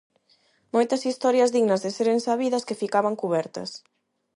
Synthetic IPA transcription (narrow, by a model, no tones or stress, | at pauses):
mojt̪ɐsist̪ɔɾjɐzðiɣnɐzðeseɾensaβiðɐskefikaβɐŋkuβɛɾt̪ɐ̰s